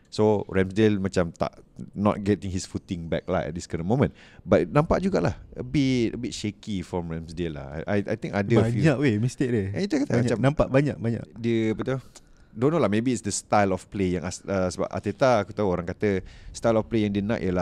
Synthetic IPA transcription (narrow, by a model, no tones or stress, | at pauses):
soɹɛ̃msdelmãt͡ʃamt̪a̰ʔnɔ̰t̚ɡɛtɪ̃ŋhisfut̪ɪ̃ŋbɛk̚la̰jtʔɛ̰t̪̚d̪iskanə̃nmõmə̃n | bat̚nãmpaʔ̚d͡ʒuɡaʔlahəbitəbit̚ʃekifɾɔ̃mɹɛmsdela̰a̰jʔa̰jt̪ĩŋkadəaɲaʔwemist̪ek̚dəɛ̃it̪uakat̪amat͡ʃãmnãmpaʔbaɲa̰ʔ̚baɲa̰ʔdiəbət̪u | donolahmebiːtsdəst̪ajlɔfplejã̰ŋasəsəba̰pʔa̰t̪et̪aːkut̪auoɾãŋkat̪əst̪ajlɔfplejãŋdiənã̰ʔjəla